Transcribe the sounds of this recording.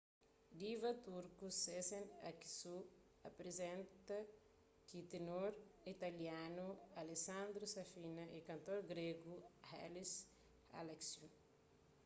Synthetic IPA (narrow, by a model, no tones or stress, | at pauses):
d̪ivɐt̪uɾkusesẽna̰ki̥su | ɐpɾezɛ̃nt̪ɐ | kit̪enoɾit̪ɐljanualesãnd̪ɾusafinɐʔikɐ̃nt̪oɾɡɾeɡuha̰lis | a̰lɛksjun